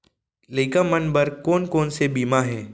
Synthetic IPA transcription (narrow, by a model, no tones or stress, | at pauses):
lɐɪkamɐnbɐɾkoːnkoːnsebiːmaɦɛ̃ː